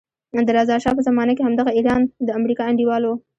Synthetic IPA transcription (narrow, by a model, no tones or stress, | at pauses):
d̪əɾɑzɑʃɑpəzamɑnakehamd̪aɣaiɾɑnd̪əamɾikɑaɳɖiwɑlo